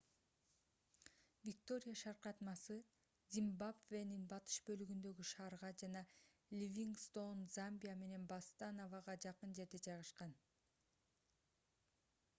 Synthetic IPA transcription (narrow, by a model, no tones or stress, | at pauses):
vʲik̚t̪o̞ɾʲɪjaʃɑɾqɑt̪mɑsɯ | zʲimbabveninbɑt̪ɯ̥ʃbølyɡynd̪ø̞ɡyʃɑːɾʁɑd͡ʒɑnɑ | lʲivʲiŋɡst̪o̞nzambʲijame̞ne̞nbast̪anovɑʁɑd͡ʒɑqɯnd͡ʒe̞ɾd̪e̞d͡ʒɑjʁɯʃqɑn